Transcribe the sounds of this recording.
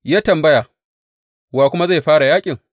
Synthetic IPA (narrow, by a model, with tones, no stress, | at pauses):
jaː˦tɐ˨mbɐ˦ja˨ | waː˨kʷʊ˦ma˦za˦˨ɸaː˦ɽa˨jaː˦kʲʼɪ˨ŋ